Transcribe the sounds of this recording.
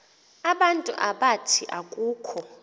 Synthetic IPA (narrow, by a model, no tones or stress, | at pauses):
aɓantʼuʔaɓatʰiʔakʼuːkʰɔ